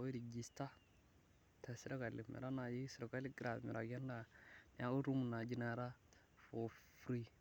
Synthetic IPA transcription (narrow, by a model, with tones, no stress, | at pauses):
o˨˦i˦ɾi˨d͡ʒi˨sta˦ | ta˨si˦ɾa˦ka˨lḭ˨mḛ˨ɾa˦na˨ji˦si˨ɾo˨ka˦li˦ɡi˦ɾa˨mḭ˨ɾa˨ɡe˦nda˨n˨a˨ɡu˦ɾu˦mu˨na˨d͡ʒi˦na˨ɾa˦ | fo˨fɾi˦